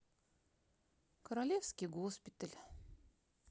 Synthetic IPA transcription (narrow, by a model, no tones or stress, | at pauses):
kəɾalʲefskʲɪjɡospʲɪt̪əlʲ